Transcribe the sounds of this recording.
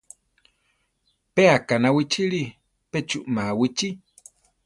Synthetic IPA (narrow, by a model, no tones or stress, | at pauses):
peakanawit͡ʃili | pet͡ʃuʔmawit͡ʃi